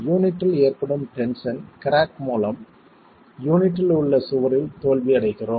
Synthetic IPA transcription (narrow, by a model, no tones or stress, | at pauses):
juːnɪʈːɪleːrpɐɽɯmʈɛnsɐnkɪɾaːkmuːlɐm | juːnɪʈːɪlʊɭːɐsʊʋɐɾɪlt̪oːlʋiɐɽɐɪɣɪroːm